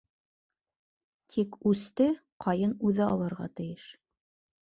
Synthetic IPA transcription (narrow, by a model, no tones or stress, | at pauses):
t̪ʰikʉst̪ɘqʰɑjɤnʉðɘɑ̰lˠɤɾʁɑ̰t̪ɘ̆jɘʃ